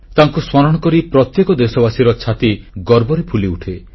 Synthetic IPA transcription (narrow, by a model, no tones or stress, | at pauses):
t̪aŋkusmɔɾɔɽ̃ɔkɔɾipɾɔt̪jekɔd̪esɔbasiɾɔt͡ʃʰat̪iɡɔɾbɔɾepʰuliuʈʰe